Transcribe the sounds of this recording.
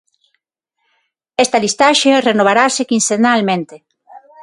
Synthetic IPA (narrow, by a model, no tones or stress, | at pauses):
est̪alist̪aʃerenoβ̞aɾasekinsenalmẽnt̪e